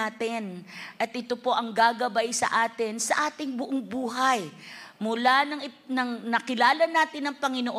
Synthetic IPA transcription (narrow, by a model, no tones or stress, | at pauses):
aːt̪ɪnʔɐt̪ʔɪt̪o̞po̞ʔɐŋɡaːɡɐbajsɐ̰ʔaːt̪ɪnsɐʔaːt̪ɪŋbʊʔoŋbuːɦɐjmʊlanɐŋɪ | nɐŋnɐkɪlaːlɐnaːt̪ɪnɐŋpɐŋɪnoʔo